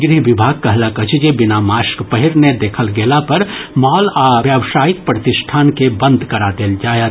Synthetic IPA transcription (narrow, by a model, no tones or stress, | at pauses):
ɡɾiɦʋɪbʱaːɡ̚kɐɦlakət͡ʃd͡ʒebɪnamaːʃkpəɦɪɾned̪eːkʰəlɡeːlapɐɾmɔːlaːjaːʋʃaːjɪk̚pɾɐt̪ɪʃʈʰaːnkebɐ̃nd̪ʱkɐɾad̪eːld͡ʒaːje